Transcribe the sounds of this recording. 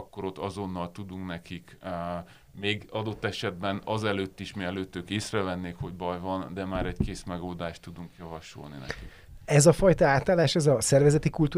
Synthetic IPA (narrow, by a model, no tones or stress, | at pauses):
kːo̞ɾot̪ːɒzo̞nːɒlt̪ud̪uŋknɛkik | meːɡɒd̪o̞t̪ːɛʃɛd̪̚bɛnɒzɛløːt̪ːiʃmiɛløːt̪ːøːkeːsrɛvɛnːeːkho̞ɟbɒjvɒnd̪ɛmaːɾɛɟkeːsmɛɡold̪aːʃt̪ːud̪uŋkjɒvɒʃo̞̰lnḭnɛ̰kki | ɛzɒfɒjt̪ɒaːt̪aːlaːʃɛzɒsɛrvɛzɛt̪ikult̪uː